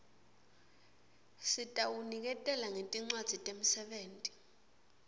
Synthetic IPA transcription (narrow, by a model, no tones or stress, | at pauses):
sitʼawunik̬ɛtʼɛlaŋentʼiŋ͡ǀwad̥z̥ʱitʼem̩sɛɓeːntʼi̥